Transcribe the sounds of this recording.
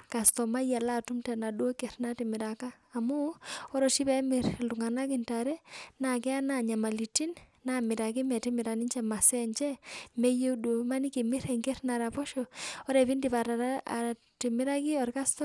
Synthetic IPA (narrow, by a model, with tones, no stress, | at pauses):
ka˨stɔ˨ma˦ja˨la˦˨tu˦mtɛ˨na˨du˦o˦kɛ˨ɾnatimɪ˨ɾa˨kaː˦˨mu˦ɔ˦ɾɔ˨ʃi˦pɛ˦mɪ˨ɾlu˨ŋa˨na˦kɪ˨nta˨ɾɛ˦na˨kɛ˦a˦na˨ɲa˨ma˨li˨ti˦nna˦mɪ˨ɾa˨ki˦mɛ˨ti˦mɪ˨ɾa˨ni˦nt͡ʃɛ˨ma˨sɛ˦ɲt͡ʃɛ˦mɛ˦je˦du˨ma˦ni˦ki˨mi˦ɾɛ˨ŋɡɛ˦ɾna˨ɾa˨pɔ˦ʃɔɔ˦ɾɛ˨βi˦ndi˨pa˨ɾaaa̰˨ | ti˨mɪ˦ɾa˦ki˦ɔ˨ɾka˦stɔ˦